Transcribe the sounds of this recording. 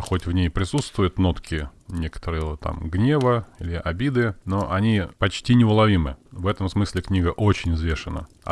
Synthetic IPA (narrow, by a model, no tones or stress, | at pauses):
xo̞tʲvnʲejpɾʲɪsut̪st̪vʊjʊt̪no̞t̪kʲɪnʲe̞kə̥t̪əɾɨjət̪a̰mɡnʲe̞vəilʲɪʔɐbʲid̪ɨnoʔɐnʲipɐt͡ɕtʲinʲɪʊlˠɐvʲimɨ̰vɛt̪əmsmɨsʲlʲɪknʲiɡəʔot͡ɕɪnʲzvʲe̞ʂɨnə̰